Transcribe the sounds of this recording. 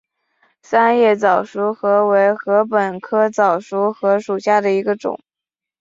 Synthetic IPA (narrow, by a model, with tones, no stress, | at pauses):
sa˥njɛ˥˩t͡sɑ˨˩ʊʂu˧˥xɤ˧˥we˧˥ɪxɤ˧˥p̬ə˨˩nkʰɤ˥t͡sɑ˨˩ʊʂu˧˥xɤ˧˥ʂu˨˩ɕja˥˩d̪ə˩i˧˥ɡə˧ʈ͡ʂʊ̰˨˩˦ŋ